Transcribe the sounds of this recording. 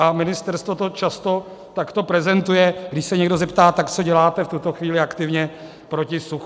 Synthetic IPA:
amɪnɪst̪ɛɾst̪vot̪o̞t͡ʃast̪o̞ | t̪akt̪o̞pɾɛzɛnt̪ujɛɡdɪʃsɛɲɛɡdozɛpt̪aːt̪akt͡soɟɛlaːt̪ɛft̪ut̪o̞xviːlɪakt̪ɪvɲɛ | pɾo̞cɪsux

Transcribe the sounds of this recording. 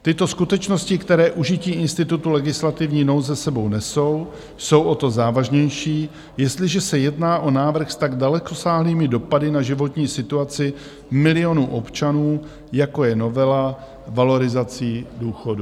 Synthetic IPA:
t̪ɪt̪o̞skut̪ɛt͡ʃno̞scɪkt̪ɛɾɛːʔuʒɪciːʔɪnst̪ɪt̪ut̪ulɛɡɪslat̪ɪvɲiːno̞wzɛsɛbo̞wnɛso̞w | so̞wʔo̞t̪o̞zaːvaʒɲɛjʃiː | jɛst̪lɪʒɛsɛjɛdnaːʔo̞naːvr̩xst̪aɡdalɛko̞saːɦliːmɪdo̞padɪnaʒɪvo̞t̪ɲiːsɪt̪uat͡sɪ | mɪlɪjo̞nuːʔo̞pt͡ʃanuː | jako̞jɛno̞vɛla | valo̞ɾɪzat͡siːduːxo̞du

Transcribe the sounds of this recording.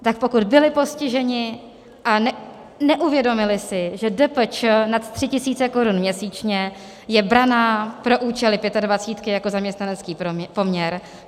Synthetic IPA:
t̪ak̚po̞kud̪bɪlɪpo̞scɪʒɛɲɪ | ʔanɛ | nɛʔuvjɛdo̞mɪlɪsɪʒɛdɛpt͡ʃnat̪t̪r̝̥ɪcɪsiːt͡sɛko̞ɾunmɲɛsiːt͡ʃɲɛ | jɛbɾanaːpɾo̞ʔuːt͡ʃɛlɪpjɛt̪advat͡siːt̪kɪjako̞zamɲɛst̪nanɛt͡skiːpo̞mɲɛɾ

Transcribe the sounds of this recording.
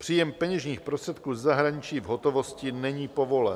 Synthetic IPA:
pr̝̥iːjɛmpɛɲɛʒɲiːxpɾst̪r̥ɛt̪kuːzːaɦɾaɲɪt͡ʃiːvɦot̪ovo̞scɪnɛɲiːpovo̞lɛ̰n

